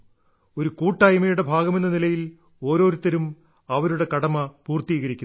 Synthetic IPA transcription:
o̞ɾukuːʈːaːjɐmɐjuɽe̞bʱaːɡɐme̞nːɐnilɐjil | o̞ːɾo̞ːɾut̪ːɐɾum | ɐʋɐɾuɽe̞kɐɽɐmɐpuːrt̪iːɣɐɾikʲːu

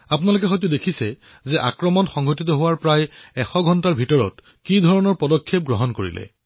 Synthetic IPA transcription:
apunalokɛxojt̬udekʰisɛ | zɛʔa̰kɹɔmɔnxɔŋɡotit̬ɔɦowaɹpɹajɛxɔɡʱɔntaɹbʱitɔɹɔ̰t | kidʱɔɹɔnɔɹpɔdɔkʰːep̚ɡɹoɦɔnkoɹḭlɛ̰

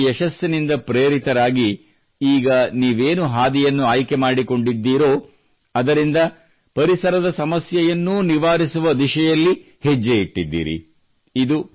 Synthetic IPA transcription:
ɛʃɐsjɐnind̪ɐpɾeːɾit̪ɐɾaːɡi | iːɡɐniːʋeːnuɦaːd̪ijɐnːuaːjkemaːɽiko̞ɳɖid̪ːiːɾoː | ɐd̪ɐɾind̪ɐ | pɐɾisɐɾɐd̪ɐsɐmɐsjɐjɐnːuniʋaːɾisuʋɐd̪iʃɐjɐlːi | hed͡ʒːeiʈːid̪ːḭːɾḭ | id̪u

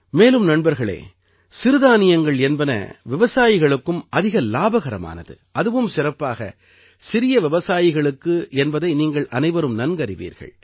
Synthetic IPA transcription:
meːlɯmnɐɳbɐɾɣɐɭḛː | sɪɾɯðaːnɪjɐŋɡɐɭɛnbɐnɐ̰ʋɪʋɐsaːjɪɣɐɭɯkːɯmʔɐðɪɣɐlaːbɐɣɐɾɐma̰ːnɐðɯ̰ | ʔɐðɯʋɯmsɪrɐpːaːɣɐ̰ | sɪɾɪjɐʋɪʋɐsaːjɪɣɐɭɯkːɯɛnbɐðɐɪniːŋɡɐɭʔɐnɐɪʋɐɾɯmnɐnɡɐɾɪʋḭːɾɣɐ̰ɭ

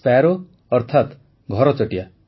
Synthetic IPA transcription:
paɾo | ɔɾt̪ʰat̪ | ɡʱɔɾɔt͡ʃɔʈija

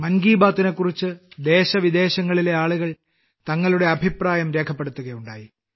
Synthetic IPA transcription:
mɐnɡiːbaːt̪ːinekːurit͡ɕːɨd̪e̞ːɕɐʋid̪e̞ːɕɐŋːɐɭile̞aːɭuɣɐɭ | t̪ɐŋːɐɭuɽe̞ɐbʱipraːjɐmɾe̞ːkʰɐpːe̞ɽut̪ːuɣɐjuɳɖaːji

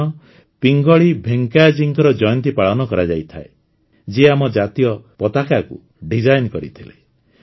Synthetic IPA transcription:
ɔ | piŋɡɔɭibʱeŋkajad͡ʒiŋkɔɾɔd͡ʒɔjɔnt̪ipaɭɔnɔkɔɾad͡ʒajt̪ʰa̰e | d͡ʒeamɔd͡ʒat̪ijɔpɔt̪akakṵ | ɖid͡ʒajnkɔɾḭt̪ʰilḛ

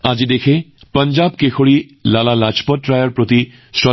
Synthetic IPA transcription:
ad͡ʒid̪ekʰepəɲd͡ʒaːb̚kekʰoɭi | lalalat͡ʃpɔt̚ːɾajəɾpɾot̪i | sɾɔ

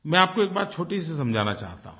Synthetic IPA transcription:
mɛ̃ːaːp̚koeːk̚baːt̪̚t͡ʃʰoːʈis̬esɐmd͡ʒʱaːnat͡ʃa̰ːɦt̪a̰ɦũ

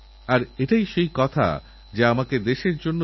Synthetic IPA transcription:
aɾeʈajʃejkɔt̪ʰa̰ | d͡ʑeamaked̪eʃeɾd͡ʑonːo

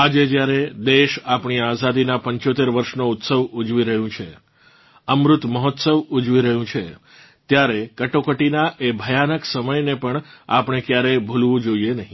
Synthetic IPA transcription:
ad͡ʒed͡ʒjaɾed̪eʃapɳ̃iazad̪inapəɲt͡ʃot̪eɾʋəɾʃnout̪səʋud͡ʒʋiɾəɦjũt͡ʃʰe | əmɾʊt̪məɦɔt̪səʋud͡ʒʋiɾəɦjũt͡ʃʰe | t̪jaɾekəʈokəʈinaʔebʱəjanəksəməjnepəɳa̰pɳ̃ekjaɾebʱulʋũd͡ʒoienəɦĩ

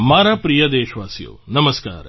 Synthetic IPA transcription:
maːɾapɾijɐd̪eːʃʋaːsijo̰ːnɐməska̰ːɾ

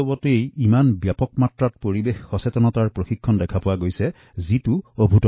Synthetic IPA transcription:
ɔbɔteejimanbjapɔkmatɹat̚poɹibexːɔsetɔnɔtaɹpɹoxikʰːɔndɛkʰapʊwaɡojsɛ | zitʊobʱutɔ

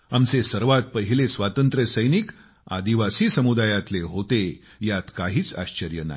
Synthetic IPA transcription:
amt͡sesəɾʋat̪̚pəɦilesʋat̪ənt̪ɾəsəjnik | a̰d̪iʋasiːsəmud̪ajat̪leɦot̪e | jat̪kaɦiːt͡sa̰ɕt͡ɕəɾjəna̰

